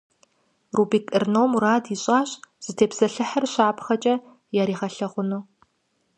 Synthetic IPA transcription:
ruːbiːkʼɨrnowmuɾaːdiɕʼaːɕʼz̥ɨtʰeːpsɐɬɨħɐrɕaːpʰχɐt͡ʃʼɐ | jaːɾiːʁɐɬɐʁʷʊnuː

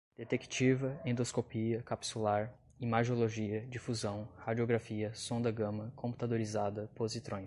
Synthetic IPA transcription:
d̪̥et̪eki̥t͡ʃivɐẽd̪oskopiɐkapi̥sulaɾ | imaʒoloʒiɐd͡ʒifuzɐ̃w̃had͡ʒioɡɾafiɐsõd̪ɐɡɐ̃mɐkʰõmpu̥t̪ad̪oɾizad̪ɐpozit̪ɾõj̃

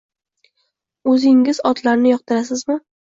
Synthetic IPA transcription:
ɵzɪŋɪzɒt̪laɾnɪjɒq̚t̪ɪɾas̬ɪzmɪ

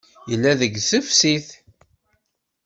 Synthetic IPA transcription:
jəlːæðəɡsəfsiθ

